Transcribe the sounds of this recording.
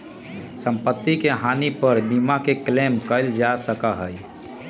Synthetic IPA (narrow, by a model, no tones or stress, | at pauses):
sə̃mpət̪ːikeɦaːnipəɾbiːmakekleːmkəɪld͡ʒasəkaɦəi